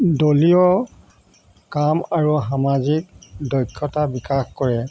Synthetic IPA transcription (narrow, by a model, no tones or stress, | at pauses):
dolijɔ | kamaɹuɦamazik̚dɔjkʰːɔtabikaxkɔɹɛ